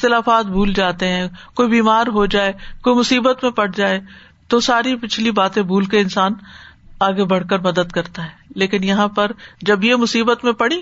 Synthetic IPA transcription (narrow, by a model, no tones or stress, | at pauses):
ɪt̪ɪlaːfaːt̪̚bʱuːld͡ʒaːt̪eɦɛ̃ːkoːibiːmaːɾɦod͡ʒaːekoːimʊsiːbət̪mẽpɐɽ̤d͡ʒaːe | t̪osaːɾipɪt͡ʃʰlibaːt̪ẽbʱuːlkeɪnsaːnaːɡebɐɽkəɾmɐd̪əd̪kɐɾt̪aɦɛːleːkɪnjɐɦãpɐɾd͡ʒɐbjemʊsiːbət̪mẽpɐɽĩ